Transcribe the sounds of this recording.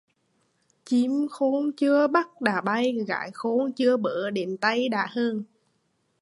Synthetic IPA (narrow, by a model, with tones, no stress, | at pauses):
t͡ɕi˨˦mxo˨˦nt͡ɕɨ˧əɓa˦˥t̚ɗaː˨˩ɓa˧jɣa̰ː˧˨jxo˨˦nt͡ɕɨ˧əɓəː˧˨˩ɗe˨˩nt̪a˧jɗa̰ː˧˩həː˧n